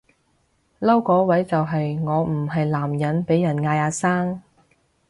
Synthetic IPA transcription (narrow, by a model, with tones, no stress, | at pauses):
lɐ˥wkɔː˨˥wɐ˨˥jt͡sɐ˨wɦɐ˨jŋɔː˨˧m̩˨˩ɦɐ˨jlaː˨˩mjɐ˨˥npe˨˥jːɐ˨˩nŋaː˧jaː˨˧˥saː˥ŋ